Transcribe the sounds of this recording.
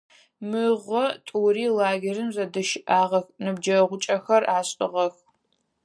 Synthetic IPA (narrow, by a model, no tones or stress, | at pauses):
mɨʁʷɔtʼuːriːlaːɡʲerɨmzɐdɨʃɪʔaːʁɐxnɨbd͡ʒɐʁʷʊt͡ʃʼɐxɐraːɕʼɪʁɐx